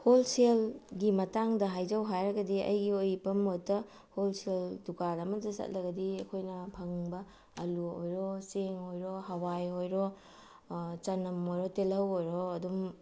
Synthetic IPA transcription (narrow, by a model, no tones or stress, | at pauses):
holselɡimɐtaŋdɐɦajzɐwɦajɾɐɡɐdiɐ̰jɡiojpɐmotɐ | holseldukalɐmɐdɐsɐ̰t̚lɐɡɐdiɐkʰojnɐpʰɐŋbɐː | luo̰jɾɔseŋojɾoɦɐwajojɾɔ | t͡ʃɐnɐmojɾɔtelɐwojɾɔɐdum